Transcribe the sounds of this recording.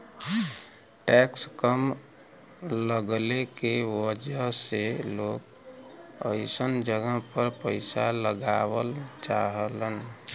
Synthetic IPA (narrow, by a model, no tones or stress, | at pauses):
ʈɛkskəm | ləɡlekewəd͡ʒəselok | əɪsənd͡ʒəɡəɦpəɾpəɪsaləɡawəlt͡ʃaɦələn